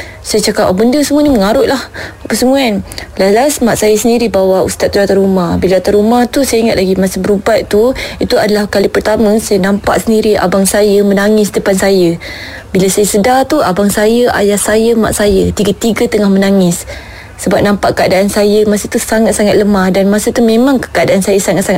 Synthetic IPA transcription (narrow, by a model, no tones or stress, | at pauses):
sajət͡ʃakap̚abəndəsəmuəniməŋaɾʊʔlahapəsəmuanlalasmaʔsajəsəndiɾibawaṵst̪at̪̚t̪uat̪aɾumahbilaat̪aɾumaht̪usajaiŋat̪laɡimasəbəɾubat̪t̪uit̪uadalahkalipərt̪amə̃sajanampa̰ʔsəndiɾia̰baŋsajəmənaŋɪsdəpansajə | bilasajəsədat̪uabaŋsajəa̰jahsajəma̰ʔsajət̪iɡat̪iɡət̪əŋahmənaŋɪs | səbap̚nampaʔkəadaʔːnsajəmasət̪usaŋat̪̚saŋat̪̚ləmahdanmasət̪umẽmaŋkə̥kaadaʔansajəsaŋat̪̚saŋa